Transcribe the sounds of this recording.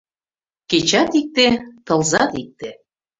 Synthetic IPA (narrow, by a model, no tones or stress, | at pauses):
ket͡ɕɑt̪ik̚t̪et̪ɤ̆lˠzɑt̪ik̚t̪e